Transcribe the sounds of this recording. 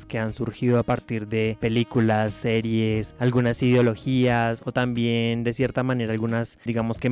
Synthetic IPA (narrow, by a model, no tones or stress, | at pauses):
ske̞ansuɾxið̞o̞apaɾt̪iɾðe̞pe̞likulasːe̞ɾje̞salɣunasiðeo̞lo̞xiaso̞t̪ambje̞nd̪e̞sje̞ɾt̪amãne̞ɾaːlɣunasd̪iɣamo̞ske̞